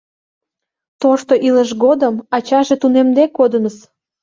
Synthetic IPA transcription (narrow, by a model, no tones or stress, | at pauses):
t̪oʃt̪oʔiləʃɣod̪əmɑt͡ɕɑʒet̪unemd̪ekːod̪ənəs